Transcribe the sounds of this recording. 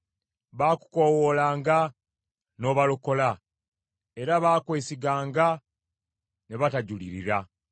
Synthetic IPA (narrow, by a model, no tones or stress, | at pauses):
βaːku̥kowolaːŋɡa | no̞βaluko̞la | e̞ɾaβaːkwe̞ːsiɡaːŋɡa | ne̞βataɟuliɾḭɾa